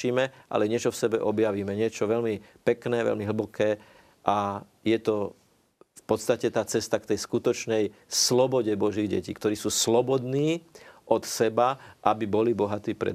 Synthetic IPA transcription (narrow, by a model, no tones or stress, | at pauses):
iːmɛʔa̰lɛɲɪɛt͡ʃɔfsɛbɛʔɔbjaʋiːmɛɲɪɛt͡ʃɔʋɛlmipɛknɛːʋɛ̰lmiɦl̩bɔkʰɛː | ʔa | jɛt̪ɔ | fpɔt̪st̪acɛt̪aːt͡sɛst̪ak̚t̪ɛjskut̪ɔt͡ʃnɛj | slɔbɔɟɛbɔʒiɣɟɛ̰cḭːkt̪ɔɾiːsuːslɔbɔd̪niːʔɔt̪sɛbaʔabibɔlibɔɦat̪iːpɾɛ̰